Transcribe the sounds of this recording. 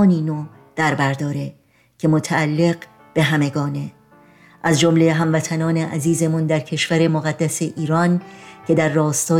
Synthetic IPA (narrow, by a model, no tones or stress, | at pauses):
niːnoː | d̪̥æɾbæɾd̪ɒːɾe̞ | cʰe̞mot̪ʰæːlːe̞ɢ | b̥e̞ɦæme̞ɡɒːne̞ | ʔæzd͡ʒomle̞ɦæmvæt̪ʰænɒːne̞ʔæziːze̞mund̪æɾcʰe̞ʃv̥æɾe̞moɣæd̪ːæse̞ʔiːɾɒncʰe̞d̪æɾːɒːst̪ɒː